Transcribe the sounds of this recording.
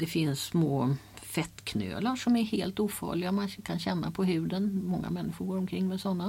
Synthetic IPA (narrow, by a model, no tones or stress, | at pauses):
d̪ɛfɪnsːmoːfɛt̪ːkʰnø̰ːlaʂɔmæɾheːlt̪uːfɑ̰ːɭɪɡamankʰanɕɛnːa̰pʰɔɦʉ̟ːd̪ənmɔŋːa̰mɛnːɪɧʊɾɡoːɾɔmkʰɾɪŋːmɛsɔnːa